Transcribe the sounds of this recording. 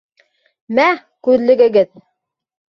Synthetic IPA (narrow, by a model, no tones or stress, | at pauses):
mæ | kʉðlɘ̆ɡɘ̆ɡɘð